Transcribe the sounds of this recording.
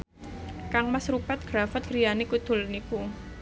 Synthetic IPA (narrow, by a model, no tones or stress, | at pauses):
kaŋmasɾupat̪̚ɡ̥ɾafət̪̚ɡɾijanikud̪̥ʊ̤lnipu